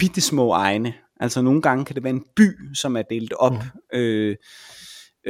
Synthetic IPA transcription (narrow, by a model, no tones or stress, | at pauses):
b̥id̥əsmɔ̰̽ːɑ̈ɪnə | ʔælsɒno̝ːn̩ɡ̥ɑ̈ŋəkʰæd̥e̝ʋæɐe̝nb̥y̰ːsɒ̽mæɐd̥e̝ːld̥̩ˠɒ̽b̥ø